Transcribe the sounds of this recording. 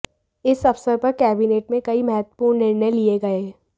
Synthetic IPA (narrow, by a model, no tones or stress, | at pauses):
ɪsɐfsəɾpɐɾkɛːbineːʈ̚mẽkɐimɛɦət̪ə̥puːɾnɪɾnəjlieɡɐeː